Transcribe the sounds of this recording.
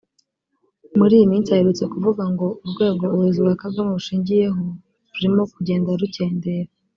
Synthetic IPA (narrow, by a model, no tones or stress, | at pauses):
muɾiːjimiːnt͡saheɾut͡se̞kuvuɡaŋɡo̞uɾɡwe̞ːɡo̞ɾuzuβakabɡamouʃiːɲɟije̞ɦo | ɾuɾimo̞kuɟe̞ːndaɾuce̞ːnde̞ɾa